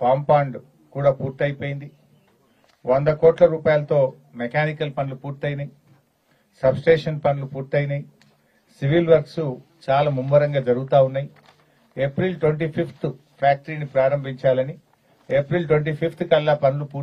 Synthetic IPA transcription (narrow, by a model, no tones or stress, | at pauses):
paːmpaːɳɖ | kuːɽaːpuːɾt̪ɐjpo̞ːjind̪i | ʋond̪ɐkɔːʈlɐɾuːpaːjlɐt̪o̞ː | mekaːnikɐlpɐnlupuːɾt̪ɐjinaji | sɐbsʈeːʂɐnpɐnulupuːɾt̪ɐjinaji | siʋilʋɐɾksut͡ʃaːlaːmumʋɐɾɐŋɡaːd͡ʒɐɾuɡut̪aːunːaːji | epɾilʈweɳʈ̬iːpʰipʰt̪u | pʰaːk̚ʈɐɾiːnipɾaːɾɐmbʱiɲt͡ʃaːlɐni | epɾilʈweɳʈ̬iːpʰipʰt̪kɐlːaːpɐnulupuː